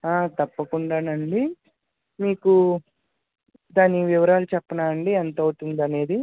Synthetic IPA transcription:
aːt̪ɐpːɐkuɳɖaːnɐɳɖi | miːku | d̪aːniʋiʋɐɾaːlut͡ʃɛpːɐnaːɐɳɖiɐnt̪ɐːwt̪und̪ɐne̞ːd̪i

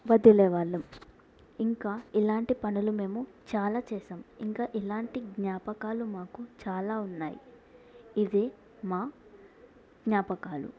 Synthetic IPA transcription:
ʋɐd̪ilɛːʋaːɭːɐm | iŋkaːilaːɳʈipɐnulume̞ːmu | t͡ʃaːlaːt͡ʃɛːsɐːmiŋkaːʔilaːɳʈiɡɲaːpɐkaːlumaːkut͡ʃaːlaːunːaːjḭ | id̪eː | maː | ɡɲaːpɐkaːlṵ

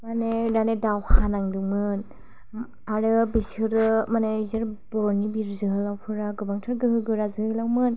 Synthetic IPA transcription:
maneɾanedawhanaŋdɯŋmɯn | aɾɯbisɯɾɯmanezɯɾbɔɾnibiɾzɯɦɯlawpʰɯɾaɡɯbaŋtʰaɾɡɯhɯɡɯɾazɯhɯlawmɯn

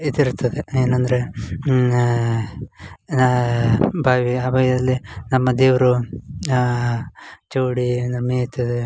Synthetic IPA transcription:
id̪iɾut̪ːɐd̪eeːnɐnd̪ɐɾe̞ | bʱaːʋiaːbɐːjɐd̪ɐlːinɐmːɐd̪eːʋɾu | t͡ʃoːɽiɐnd̪ɾemeːt̪ɐd̪e

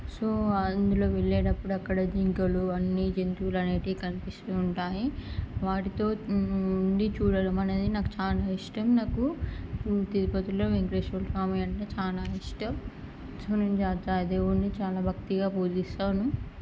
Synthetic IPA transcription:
soːɐnd̪ulo̞ːʋeɭːeːʈɐpːuɽuɐkːɐɽɐd͡ʒiŋkɐluɐnːid͡ʒent̪uulɐneːʈeːkɐnipist̪uːɳʈaːjiʋaːʈit̪o̞ː | ɳɖit͡ʃuːɽɐlɐmɐneːd̪inaːkut͡ʃaːlaːiʂʈɐmnaːku | t̪iɾipɐt̪uloːʋeŋɡɾeːʂɐlsaːmijɐɳʈeːt͡ʃaːlaːiʂʈɐm | soːnemd͡ʒaːt̪aːjɐd̪eːʋuɳɖit͡ʃaːlaːbʱɐk̚t̪iɡaːpoːd̪ist̪aːnu

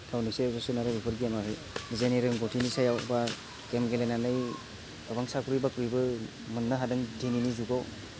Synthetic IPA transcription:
kʰawnisezɔsunaɾɯbipʰɯɾɡimaɦɯj | nizajniɾɯŋɡɔtʰinisajawba | kemɡelenanɯj | tabaŋsakuɾijbakuɾijbɯ | mɯnːaɦadɯŋdininizuɡɔ

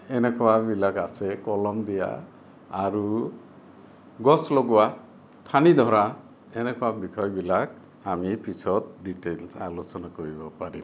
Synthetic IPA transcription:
enekɔwabilakasekɔlɔmd̪ija̰ | aɾu | ɡɔsloɡɔwa | t̪ʰanid̪ʱɔɾa | enekɔabikʰɔjbilak̚ | amipit͡ʃʰɔt̪̚ɖiʈelsalosɔnakɔɾibɔpaɾḭm

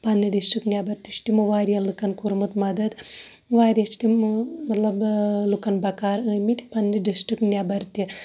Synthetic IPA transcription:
pɐnːiɖisʈɾiknʲjabɐɾt̪it͡ʃʰt̪imuʋaːɾjɐlukɐnkuɾmut̪mɐd̪ɐd̪ | ʋaːɾijɐt͡ʃʰt̪immɐt̪lɐblukɐnbɐkaːɾɨmit̪i̥pɐnːiɖisʈɾiknʲjaːbɐɾt̪i

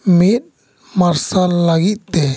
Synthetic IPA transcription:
mit̪̚ | maɾsalːaɡit̪̚t̪ɛ

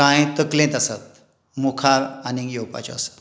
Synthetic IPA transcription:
ãjt̪əklẽt̪asat̪̚ | mukʰaɾanijowpa̰t͡ɕɔ̰asḁt̪

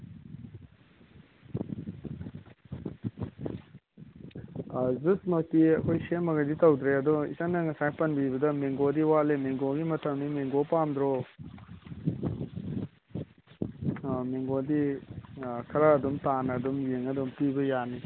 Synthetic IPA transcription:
zusmɐtiɐkʰojsemɐɡajditɐwd̪ɾeɐdɔḭsaŋnɐŋɐsajpɐnbibɐdɐmeŋɡodiwalemeŋɡoɡimɐtʰɐmnimeŋɡopamdɾɔ | meŋɡodi | kʰɐɾaːdumtanɐdumjeŋɐdumpibɐjani

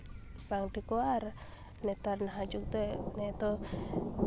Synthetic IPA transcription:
paŋdikuar | net̪arnaɦad͡ʒuk̚t̪unet̪o

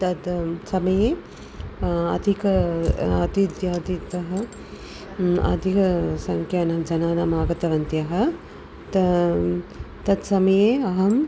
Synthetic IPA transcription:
t̪ɐt̪sɐmɐjeː | ɐ̰d̪ʱikɐɐd̪id̪jaːd̪it̪ɐɦɐ | ɐ̰d̪ʱikɐsɐŋkʰjanɐɦd͡ʒɐnaːnaːmaːɡɐt̪ɐʋɐnt̪ijɐɦɐ̆ | t̪ | t̪ɐt̪sɐmɐjeːɐɦɐm

